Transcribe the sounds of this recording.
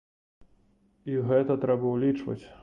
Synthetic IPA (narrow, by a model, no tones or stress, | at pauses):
iɣɛt̪ɐt̪ɾɛbɐwlʲit͡ʂvɐ̰t͡sʲ